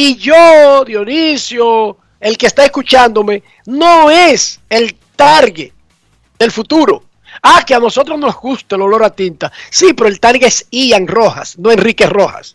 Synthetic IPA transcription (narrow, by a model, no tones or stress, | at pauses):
iʝoðjo̞nisjo | elkeːst̪aeskut͡ʃand̪o̞me̞ | noeselt̪aɾɣe | ðe̞lfut̪uɾo | akeano̞so̞t̪ɾozno̞zɡust̪elolo̞ɾat̪int̪asipe̞ɾoelt̪aɾɣeesiaŋroxa̰snoe̞nrikesro̞xa̰s